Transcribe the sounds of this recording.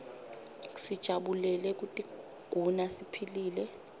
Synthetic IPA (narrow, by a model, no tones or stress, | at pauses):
sid̥ʒ̥ʱaɓulɛlɛk̬utʼi | ɡ̥ʱunasipʰiliːlɛ